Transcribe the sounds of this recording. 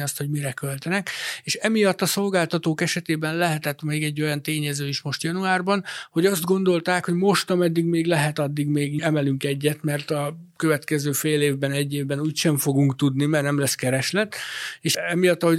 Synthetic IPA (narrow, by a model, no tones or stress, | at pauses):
iɒst̪ho̞ɟmiɾɛkø̞lt̪ɛnɛkeːʃɛmijɒt̪ːɒso̞lɡaːlt̪ɒt̪oːkɛʃɛt̪eːbɛnlɛɦɛt̪ɛt̪meːɡɛɟːo̞jɒnt̪eːɲɛzøːiʃmo̞ʃt̪jɒnuaːrbɒnho̞ɟɒzd̪ɡo̞nd̪o̞lt̪aːkho̞ɟmo̞ʃt̪ɒmɛd̪ːiɡmeːɡlɛɦɛt̪ɒd̪ːiɡmeːɡɛmɛlyŋkɛɟːɛt̪mɛrt̪ɒkø̞vɛt̪kɛzøːfeːleːvbɛnɛɟːeːvbɛnuːcʃɛɱfo̞ɡuŋkt̪ud̪nimɛrnɛmlɛskɛɾɛʃlɛt̪ːeːʃɛmijɒt̪ːɒho̞